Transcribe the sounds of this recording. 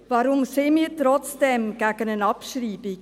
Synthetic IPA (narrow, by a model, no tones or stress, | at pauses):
vɑɾʊmseːmiːtɾɔt͡sd̥ɛmɡ̥æɡənənɑpʃɾiːbɪ